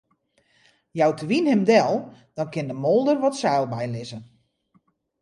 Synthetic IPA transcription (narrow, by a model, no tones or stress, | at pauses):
jawtʰəʋinhɪmdɛlˠd̥ɔnkɪndəmolˠdərʋɔtsɛːlˠbɛjlɪzən